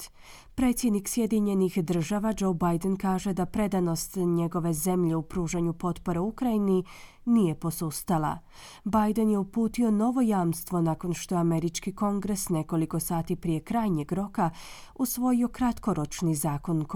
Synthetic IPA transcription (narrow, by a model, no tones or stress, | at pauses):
pɾe̞t̪sjed̪niksje̞d̪iɲe̞nixd̪r̩ʒaʋad͡ʒo̞wbajd̪enkaːʒe̞d̪apɾe̞d̪ano̞st̪ɲe̞ɡo̞ʋe̞ze̞mʎe̞upɾuːʒaɲupo̞t̪po̞ɾeukɾaini | nije̞po̞sust̪alˠa̰ | bajd̪enje̞upuːt̪io̞no̞ʋo̞jaːmst̪ʋo̞nako̞nʃt̪oame̞ɾit͡ʃkiko̞ŋɡɾe̞sne̞ko̞liko̞saːt̪ipɾije̞kɾaːjɲe̞ɡɾo̞ka | usʋo̞jio̞kɾat̪ko̞ɾo̞t͡ʃnizaːko̞nk